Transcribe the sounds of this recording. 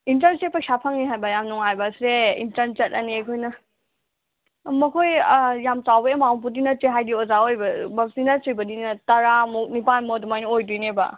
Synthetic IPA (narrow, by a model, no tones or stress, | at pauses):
intɐɾnsepɐksapʰaŋniɦajbɐjamnuŋajbɐsɾeḭntɐɾnt͡ʃɐt̚ɐniɐkʰojnɐ | mɐkʰojjamt͡ʃawbɐemawp̬udinɐteɦajdiozaojbɐbɐmsinasujbɐdinɐtɐɾamuk̚nipanmodumajniojdujnebɐ̰